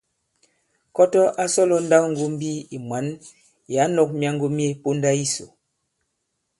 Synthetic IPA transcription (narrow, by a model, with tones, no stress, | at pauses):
kɔ˦tɔ˦ʔa˦sɔ˦lɔ˨˦n̩˦da˦kŋ̩˦ɡo˦m̩˦bi˦i˨mwa˨˦n | ja˨˦nɔ˨k̚mja˦ŋɡo˦m˦e˦po˦n˦da˦i˦so̰˨